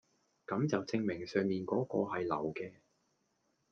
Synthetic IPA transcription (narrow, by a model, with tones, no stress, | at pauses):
kɐ˨˥mt͡sɐ˨wt͡sɪ˧ŋmɪ˨˩ŋsœː˨˧ŋmiː˨nkɔː˨˥kɔː˧ɦɐ˨jlɐ̰˨˩wkɛː˧